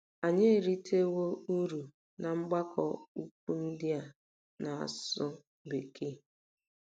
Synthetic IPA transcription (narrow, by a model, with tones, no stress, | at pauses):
a˨ɲe˦˨ɾi˦tʰe˦wo˦u˦ɾu˨ | na˨ŋ͡m̩˦ɡ͡ba˦kʰɔ̰˨u˦k̚ʷu˦n̩˦dɪ˦a˨ | na˨a̰˨sʊ˦ | be˨kʰe˦